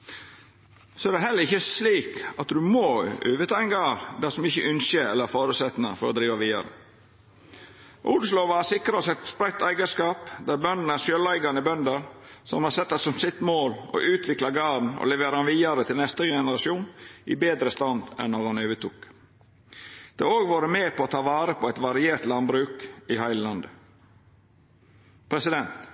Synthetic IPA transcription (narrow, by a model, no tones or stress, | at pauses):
sɔæd̪ɛɦɛlːəɾɪçːəsliːkɑt̪d̪ʉmoø̰ːʋət̪ʰɑːɛnɡɑːɾd̪æsɔmɪçəʔʉnʃəɛlːəɾæfoːɾʉːsɛt̪nə̰fɔɾɔd̪ɾiːʋɑʋiːɑ̰ɾə̰ | ʔʊd̪sloːʋɑɑsɪkːɾsɛt̪spɾæɪt̪ːæɪɡəskɑːpd̪æɾbœnd̪n̩æʃøːlæɪɡɑnəbœnd̪əɾsɔmhɑsɛt̪ːɑsɔmsɪt̪moːlo̰ʔʉːt̪ʰʋɪklɑɡɑːn̩ɔ̰lɛʋeːɾəɑnʋiːɑɾət̪ʰɪlnɛst̪əɡɛnəɾɑʃjuːnʔɪ̰beːd̪ɾəst̪ɑnd̪ɛ̰nːɔɾhɑnøːʋət̪uːk | d̪̥ḛoːɡʋɑːɾəmeːpʰɔːt̪ʰɑːʋɑːɾəpʰɔɛt̪ʋɑɾɪeːɾt̪lɑnbɾʉːkɪhæɪllɑnd̪ə | pʰɾɛsɪd̪ɛnt̪